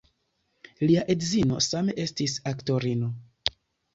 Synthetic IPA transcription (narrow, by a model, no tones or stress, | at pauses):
liaʔe̞dzino̞̰same̞ʔe̞stisakto̞ɾino̞